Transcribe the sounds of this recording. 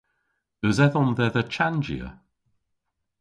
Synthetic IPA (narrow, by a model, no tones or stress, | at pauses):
ɵzɛðɔmðɛðət͡ʃʰand͡ʒḭə̰